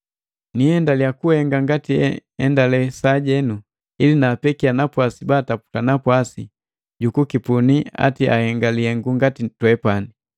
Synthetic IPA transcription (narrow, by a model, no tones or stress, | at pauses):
niɛndalijakuhɛŋɡaŋɡatiɛ̰ɛndalɛsaːɟɛnu | ilinaːpɛkianapwasibaːtapu̥tanapwasi | ɟukukipunia̰tiʔa̰hɛŋɡaliɛŋɡuŋɡatitwɛpani